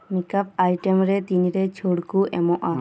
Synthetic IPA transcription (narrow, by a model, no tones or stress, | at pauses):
mikap̚ajʈɛmɾɛt̪iɲɾɛt͡ʃʰoɽkuʔɛmɔ̃ʔa